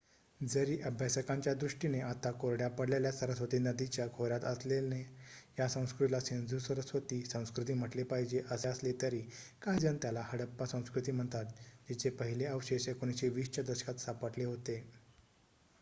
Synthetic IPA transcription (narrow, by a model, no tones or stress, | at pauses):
d͡zəɾiːʔəbʱjasəkãɲt͡ɕjad̪ɾuʂʈineʔat̪akoɾɽjapəɽlaljasəɾəsʋət̪iːnəd̪it͡ɕjakʰoɾat̪əslenejasə̃w̃skɾut̪ilasẽnd͡zusəɾəsʋət̪iːsə̃w̃skɾut̪iːm̤əʈlepaɦid͡ʑeʔəseəslet̪əɾiːkajd͡zənt̪jalahəɽəpːasə̃w̃skɾut̪iːm̤əɳt̪at̪̚d͡ʑet͡ɕepəɦileəʋɕeɕekoñiɕeʋiːst͡ɕad̪əɕə̥kat̪sapəʈleɦot̪e